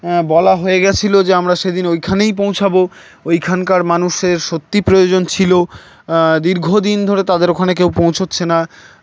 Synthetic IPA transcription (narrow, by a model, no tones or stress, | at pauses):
bɔlaɦoeɡɛt͡ɕʰilod͡ʑeamɾaʃed̪inojkʰanejp̬õw̃t͡ɕʰabo | ojkʰankaɾmanuʃeɾʃot̪ːipɾojod͡ʑont͡ɕʰilo | d̪iɾɡʱod̪ind̪ʱoɾet̪ad̪eɾokʰanek̬ewpõw̃t͡ɕʰotːɕʰena